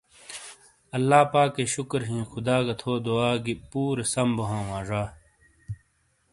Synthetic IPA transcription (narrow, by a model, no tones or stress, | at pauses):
ɐlːaːpaːkːeɕukɾɦĩːxʊd̪aːɡɐt̪ʰoːd̪oaːɡipuːɾesɐmboɦãːwãːʐaː